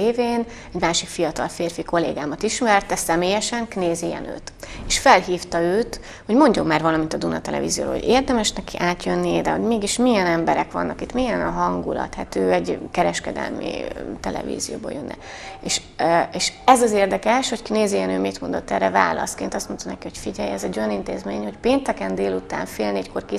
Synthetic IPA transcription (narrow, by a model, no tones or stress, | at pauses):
eːveːn | ɛɟmaːʃikfijɒt̪ɒ̰lfeːrfiko̞lḛːɡaːmɒt̪iʃmɛrt̪ɛsɛmeːjɛʃɛŋkneːzejɛ̰nø̰ːt̪eːʃfɛlɦiːft̪ɒøːt̪ | ho̞ɟmo̞ɲɟomːaːrvɒlɒmint̪ɒd̪unɒt̪ɛlɛ̰vḭːzijo̰ːɾo̰ːo̰ɟeːrd̪ɛmɛʃnɛkiʔaːt̪jønːid̪ɛɦo̰ɟmeːɡiʃmijɛnɛmbɛɾɛkʋɒ̰nːʔɒkit̪mijɛnɒɦɒŋɡulɒ̰t̪hɛt̪øːɛɟkɛɾɛʃkɛd̪ɛ̰lmḭt̪ɛlɛ̰vḭːzijo̰ːboːjønːɛ̰ | eːʃ | eːʃɛzɒzeːrd̪ɛkɛʃho̞ckneːzijɛnøːmit̪mo̞nd̪o̞̰t̪ːɛrɛva̰ːlɒ̰skeːnt̪ɒst̪mo̞nt̪ɒnɛkiho̞cfiɟɛjɛzɛɟːojɒnint̪eːzmeːɲho̞cpeːnt̪ɛkɛnd̪eːlut̪a̰ːɱfeːlneɟko̞rki